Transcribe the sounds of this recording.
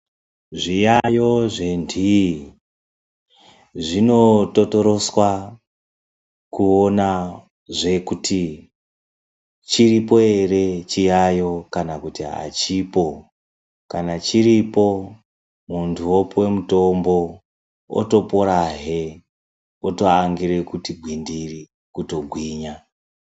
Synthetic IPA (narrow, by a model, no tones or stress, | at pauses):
ʐijajo̞ʐendi | ʐino̞toto̞ɾo̞swa | kuona | ʐe̞kutʰi | t͡ʃiripo̞e̞re̞t͡ʃijajo̞kanakutia̰t͡ʃipo̞ | kanat͡ʃiɾipo̞ | muntʰuwopwe̞muto̞mbo̞ | o̰to̞poɾaɦe̞ | oto̞aŋɡiɾe̞kutiɡʱwindiri | kuto̞ɡʱwiːɲa